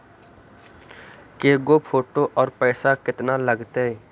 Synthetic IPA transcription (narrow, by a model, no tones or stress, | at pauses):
keːɡopʰoːʈoʔɔːɾpɛːsakɪt̪naləɡt̪eɛ